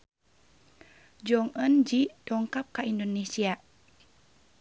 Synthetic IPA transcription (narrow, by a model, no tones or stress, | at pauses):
d͡ʒɔŋənd͡ʒid̥ɔŋkap̚kaindonesia